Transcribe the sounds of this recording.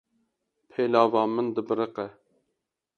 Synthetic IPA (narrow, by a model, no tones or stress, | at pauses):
pʰelɑːvɑːmɨnd̪ɨbɨɾɨqɛ